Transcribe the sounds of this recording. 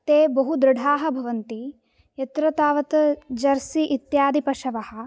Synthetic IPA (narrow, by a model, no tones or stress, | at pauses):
t̪eːbɐɦud̪ɾɪɖʱaːɦɐbʱɐʋɐnt̪i | jɐt̪ɾɐt̪aːʋɐt̪ɐd͡ʒɐɾsiʔit̪jaːd̪ipɐʃɐʋɐhɐ̆